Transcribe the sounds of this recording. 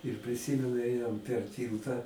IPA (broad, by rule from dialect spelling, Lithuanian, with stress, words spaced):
ɪr pʲrʲɪˈsʲiːmʲɛnʊ ˈeːjoːm pʲɛr ˈtʲiːlˠtɐ